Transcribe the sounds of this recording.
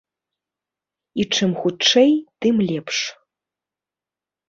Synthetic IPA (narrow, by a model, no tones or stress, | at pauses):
iʈ͡ʂʰɨmxuʈ͡ʂʰejtɨmlʲepʰʂ